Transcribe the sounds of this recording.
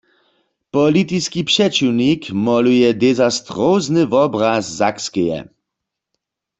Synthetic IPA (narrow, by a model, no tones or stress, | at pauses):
pɔlit̪iskipʃɛt͡ʃiwnikmɔlujɛdɛzast̪ʁoznɨvɔbʁaszakskɛjɛ̰